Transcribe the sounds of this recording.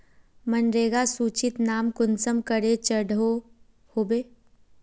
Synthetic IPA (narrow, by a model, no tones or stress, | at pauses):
mənɾeːɡasuːt͡ʃɪt̪naːmkʊnsəmkəɾet͡ʃəɽʱo | hoːbeː